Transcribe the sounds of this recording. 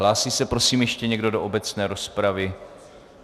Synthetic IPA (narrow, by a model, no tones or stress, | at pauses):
laːsiːsɛpɾo̞siːmjɛʃcɛɲɛɡdo̞doʔobɛt͡snɛːɾo̞spɾavɪ